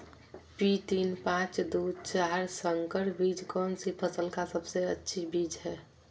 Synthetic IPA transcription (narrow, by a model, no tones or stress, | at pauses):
pit̪inpãt͡ʃd̪ut͡ʃaɦɾsəŋkəɾbid͡ʒkɔːnsipʰəsəlkasəbseətːʃʰibid͡ʒɦɛː